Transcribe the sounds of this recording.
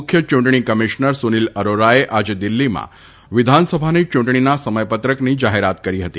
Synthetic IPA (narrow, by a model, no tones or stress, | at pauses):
kʰːjət͡ʃũɳʈɳ̃ikəmiʃnəɾsuniləɾoɾaeʔad͡ʒed̪ilːimã̰ | ʋɪd̪ʱansəbʱanit͡ʃʊ̃ɳʈɳinasəməjpət̪ɾəknid͡ʒaɦeɾat̪kəɾiɦət̪i